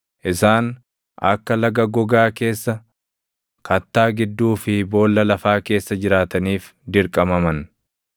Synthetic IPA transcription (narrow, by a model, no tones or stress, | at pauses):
ʔɪsaːn | ʔɐ̰kːɐlɐɡɐɡɔɡaːke̞ːsːɐ | kɐt̪ːaːɡɪd̪ːuːfɪbo̞ːlːɐlɐfaːke̞ːsːɐd͡ʒɪɾaːt̪ɐniːf | d̪ɪɾkʼɐmɐmɐn